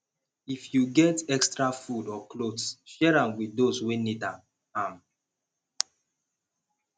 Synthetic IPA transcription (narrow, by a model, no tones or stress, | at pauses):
ifjuɡɛtɛkstɹafudɔklodsʃɛɹãmwiθdoswẽnitãm | ãm